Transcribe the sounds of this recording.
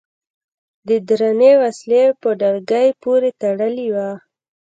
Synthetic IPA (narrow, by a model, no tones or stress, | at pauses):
d̪əd̪ɾanewaslepəɖaɾɡajpoɾet̪aɽəliwa